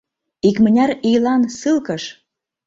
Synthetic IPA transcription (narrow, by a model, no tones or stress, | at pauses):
ikmə̆nʲæɾijlɑnsɨlkə̆ʃ